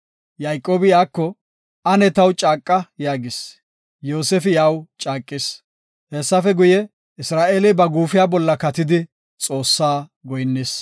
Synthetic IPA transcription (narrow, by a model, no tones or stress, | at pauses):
jɐjkʼːoːbɪjaːkːɔ | ʔɐnɛt̪ɐwt͡ʃʼaːkʼːɐjaːɡɪs | joːsɛfɪjaːwt͡ʃʼaːkʼːɪs | hɛsːɐfɛɡʊjɛ | ɪsɾaːʔeːlɪbɐɡuːfɪjaːbɔlːɐkɐt̪ɪd̪ɪ | t͡sʼo̞ːsːaːɡɔjnːeːs